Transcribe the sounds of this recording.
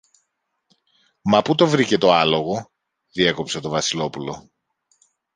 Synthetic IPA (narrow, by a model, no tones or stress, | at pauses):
mɐput̪o̞vɾice̞t̪o̞ɐlo̞ɣo̞ | ðie̞ko̞pse̞t̪o̞vɐsilo̞pulo̞̰